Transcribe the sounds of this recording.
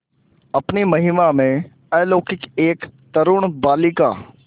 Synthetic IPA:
ɐpnimɐɦimamẽ | ɐːloːkɪkeːkt̪ɐɾʊɽ̃baːlɪka̰ː

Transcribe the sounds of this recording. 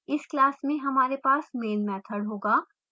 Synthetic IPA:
ɪsklaːsmẽɦɐmaːɾepaːsmeːnmɛːt̪ʰəɽɦoːɡaː

